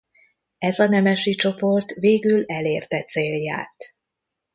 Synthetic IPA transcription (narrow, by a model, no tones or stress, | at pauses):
ɛzɒnɛmɛʃit͡ʃo̞po̞rt̪veːɡylɛleːrt̪ɛt̪seːlja̰ːt̪